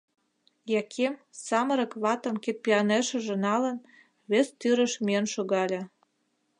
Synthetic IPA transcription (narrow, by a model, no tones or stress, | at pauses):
jɑkʰemsɑmə̆ɾɤ̆kβɑt̪ə̆mket̪̚pʲiɑneʃə̆ʒĕnɑlə̆n | βest̪yɾə̆ʃmʲienʃoɣɑlʲĕ